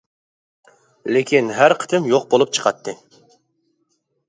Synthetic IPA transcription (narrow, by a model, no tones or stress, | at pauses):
lekʲinɦæɾqʰə̥t̪ʰɨmjoq̚bolˠup̚t͡ʃʰə̥qʰɑt̪ʰːɨ